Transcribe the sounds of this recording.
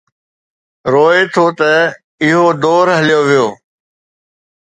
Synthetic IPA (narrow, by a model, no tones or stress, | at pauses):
ɾoːet̪ʰoːt̪ɐ | ɪɦod̪oːɾɦəljoʋɪjoː